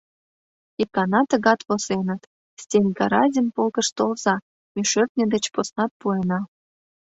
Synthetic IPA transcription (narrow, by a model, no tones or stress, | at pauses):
ikɑnɑt̪ə̆ɣɑt̪βosenə̆t̪ | stʲenʲɡɑɾɑzʲənpolɣə̆ʃt̪olzɑ | mʲeʃøt̪̚nʲə̆d̪et͡ɕposnɑt̪̚puenɑ